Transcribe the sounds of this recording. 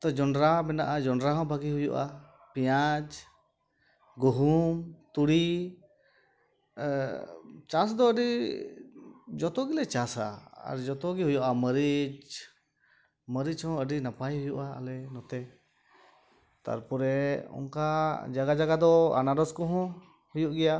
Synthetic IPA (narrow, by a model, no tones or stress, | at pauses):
t̪ɔd͡ʒɔnɖɾabɛnaʔad͡ʒɔɳɖɾaɦɔ̃bʱaɡiɦujṵʔa̰ | pɛjad͡ʒ | ɡuɦumt̪uɽi | t͡ʃasd̪ɔəɖi | d͡ʒɔt̪ɔɡilɛt͡ʃasa̰a̰ɾd͡ʒɔt̪ɔɡiɦujuʔaməɾit͡ʃ | məɾit͡ʃhɔ̃əɖinapajɦujuʔaa̰lɛnɔt̪ɛ | t̪a̰ɾpɔɾɛɔ̰ŋkad͡ʒaɡad͡ʒaɡad̪ɔa̰naɖɔskɔɦɔ̃ | hujuʔɡɛja